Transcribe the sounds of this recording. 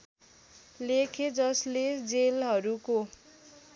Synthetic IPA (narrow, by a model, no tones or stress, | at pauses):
lekʰed͡zʌsled͡zelɦʌɾuko